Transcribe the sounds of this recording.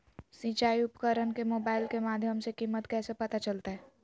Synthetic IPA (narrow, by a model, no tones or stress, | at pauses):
sĩːt͡ʃaːiʊpkəɾənkemoːbaːɪlkemaːd̪ʱjəmsekiːmːət̪kɛːsepɐt̪at͡ʃəlt̪aɦɛː